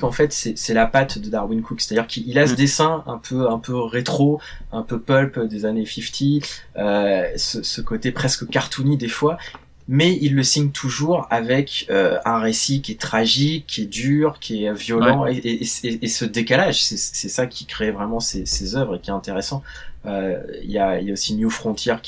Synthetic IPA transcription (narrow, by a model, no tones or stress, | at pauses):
kɑ̃fɛt̪sɛsɛlapat̪d̪əd̪aʁwinkukse̥t̪ad̪iʁkʰʲiilasəd̪esɛ̃ɛ̰̃pʰøɛ̃pøʁet̪χoɛ̃pøpœlpd̪ezanefift̪ʰiøsəsəkot̪epχɛskəkaʁt̪ʰunid̪efwa | mɛilːəsiɲt̪ʰuʒuʁavɛkøɛ̃ʁesikʲiɛt̪χaʒikʰʲːiɛd̪yʁkʲʰiɛvjɔlɑ̃eʔeʔseesəd̪ekalaʒsɛssɛsakʲʰi̥kχevʁɛmɑ̃sesezœvʁekʲiɛt̪ɛ̃t̪eʁesɑ̃ | øḭljaḭljaosinjufχɔ̃t̪ʰjɛʁk